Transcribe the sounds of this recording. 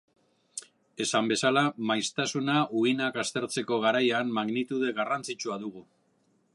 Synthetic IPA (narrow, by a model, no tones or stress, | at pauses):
e̞sambe̞salamajst̪asunaʔuɣinakast̪e̞ɾt͡se̞ko̞ɣ̞aɾajanmaɣnit̪uðe̞ɣarant͡sit͡ʃuaðuɣu